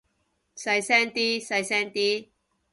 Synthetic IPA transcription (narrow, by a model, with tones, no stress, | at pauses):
sɐ˧jsɛː˥ŋt̪iː˥sɐ˧jsɛː˥ŋt̪iː˥